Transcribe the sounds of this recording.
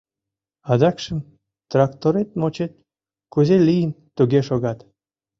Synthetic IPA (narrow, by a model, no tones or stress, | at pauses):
ɑd̪ɑkʃə̆m | t̪rɑkt̪oɾet̪̚mot͡ɕet̪̚ | kuzelijən | t̪uɣeʃoɣɑt̪